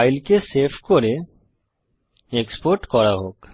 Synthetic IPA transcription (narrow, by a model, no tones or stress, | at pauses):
ɪlkesepʰkoɾe | ekspoɾʈkɔɾaɦoːk